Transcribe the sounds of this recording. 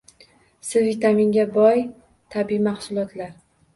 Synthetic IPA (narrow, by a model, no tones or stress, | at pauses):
sɪvɪt̪aminɡʲabɒj | t̪ʰabiimahsʊlˠɒt̪ʰlaɾ